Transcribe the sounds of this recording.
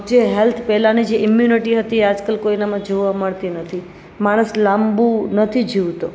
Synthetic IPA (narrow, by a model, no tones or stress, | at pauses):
d͡ʒeɦɛlt̪ʰpɛlanid͡ʒeʔɪmjuniʈiɦət̪iead͡ʒkəlkoinamãd͡ʒoʋaməɭt̪inət̪ʰi | maɽ̃əslambunət̪ʰid͡ʒiʋt̪o